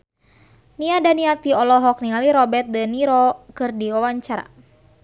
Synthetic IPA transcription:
niadaniat̪iɔlɔɦɔk̚niŋaliɾɔbɛt̪̚dəniɾɔkɨrdiwawaɲt͡ʃaɾa̰

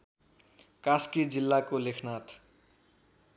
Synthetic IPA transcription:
kaskid͡zilːakolekʰnat̪

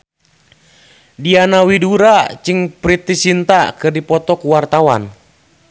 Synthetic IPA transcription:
dianawiduɾat͡ʃɨŋpɾit̪isint̪akɨrdipɔt̪ɔkuwart̪awa̰n

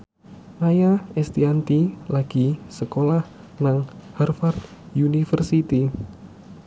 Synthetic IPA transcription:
majaɛst̪iant̪ilaɡ̥isəkolah | naŋhɛrfart̪junifərsit̪i

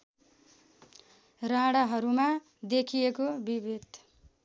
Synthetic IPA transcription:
raɽʌɦʌɾuma | d̪ekʰijekobibid̪ʱ

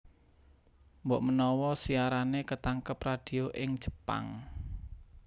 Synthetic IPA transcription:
mbɔʔmənɔwɔsiaɾanekət̪aŋkəprad̥i̤oʔɪŋd̥ʒ̥ə̤̥pa̰ŋ

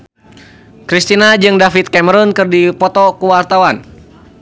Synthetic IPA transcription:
kɾist̪inad͡ʒɨŋdafit̪̚kɛməɾɔnkɨrdipɔt̪ɔkuwart̪awan

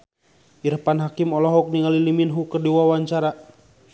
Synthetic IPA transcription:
irpanɦakimɔlɔɦɔk̚niŋaliliminɦukərdiwawaɲt͡ʃaɾa

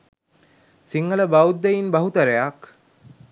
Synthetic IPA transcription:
siŋɡələbawd̪ːejinbaɦut̪ɐɾejak

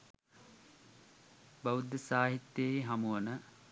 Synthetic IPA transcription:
bɐʋud̪ːəsaːɦit̪ːjeɦɐmuwənə

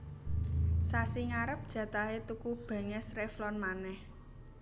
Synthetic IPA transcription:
sasiŋaɾəp̚d̥ʒ̥ä̤t̪aɦet̪ukub̥a̤ŋɛsreflɔnmanɛh

